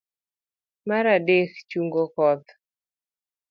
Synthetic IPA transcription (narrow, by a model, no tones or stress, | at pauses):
maɾadekt͡ʃuŋɡokɔd̪